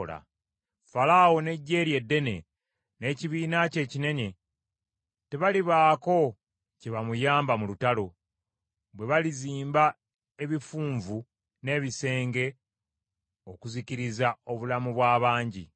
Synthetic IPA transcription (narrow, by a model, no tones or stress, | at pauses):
la̰ | falawo̞ne̞ɟːe̞ːɾje̞dːe̞ne̞̰ | ne̞ːciβiːnace̞ːcine̞ɲe̞ | te̞βaliβaːko̞ | ceβamujaːmbamulutalo̞ | βwe̞βaliziːmba | e̞βifuːɱvu | ne̞ːβise̞ːŋɡe̞ | okuziciɾizao̞βulamuβwaːβaːɲɟḭ